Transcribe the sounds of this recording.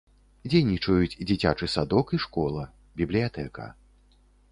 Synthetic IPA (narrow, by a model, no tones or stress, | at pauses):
d͡zʲejnʲit͡ʂɐjut͡sʲd͡zʲit͡sʲa̰t͡ʂɨsad̪ɔkiʂkɔlˠɐ | bʲiblʲijat̪ɛkɐ̰